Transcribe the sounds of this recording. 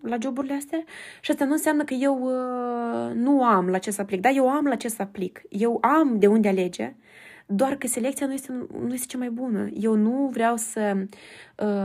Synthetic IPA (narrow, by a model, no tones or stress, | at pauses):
lad͡ʒo̞buɾileast̪eaʃiast̪anuɨns̬eamnəkəje̞w | nuamlaːt͡ʃe̞st̪aplik̚d̪aje̞wamlat͡ʃe̞st̪aplikje̞wamd̪e̞und̪eale̞d͡ʒḛ | d̪oarkəse̞le̞kt̪sijanujest̪enujest̪et͡ʃamajbunə̰je̞wnuvɾeawsə | ə